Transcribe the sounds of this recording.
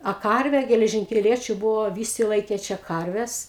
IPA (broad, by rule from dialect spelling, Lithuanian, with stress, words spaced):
ɐ ˈkɐrʲʋʲɛ ɡʲɛlʲɛʒʲɪŋʲkʲɛˈlʲiɛt͡ʃʲʊ ˈbʊʋoː ˈʋʲiːsʲɪ ˈlˠɐɪkʲeː ˈt͡ʃʲɛ ˈkɐrʲʋʲɛs